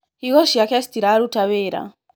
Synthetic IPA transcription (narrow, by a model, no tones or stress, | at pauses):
iɣɔʃiakɛst̪iɾaɾutaβɛɾa̰